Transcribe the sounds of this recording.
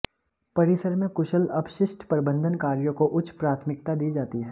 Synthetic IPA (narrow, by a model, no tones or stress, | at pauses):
pɐɾɪsəɾmẽkʊʃəlɐbʃɪʃʈʰpəɾɪbə̃nd̪ʱənkaːɾjõkoʔʊt͡ʃʰpɾaːt̪ʰmɪk̚t̪ad̪iːd͡ʒaːt̪iɦɛ̃ː